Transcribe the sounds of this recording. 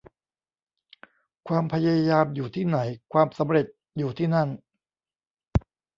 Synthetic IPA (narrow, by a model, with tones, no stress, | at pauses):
kʰwaː˧mpʰa˧ja˧jaː˧mjuː˨˩t̪ʰiː˥˩na˩˦jkʰwaː˧msa˩˦mɾe˨˩t̪̚ | juː˨˩t̪ʰiː˥˩na˥˩n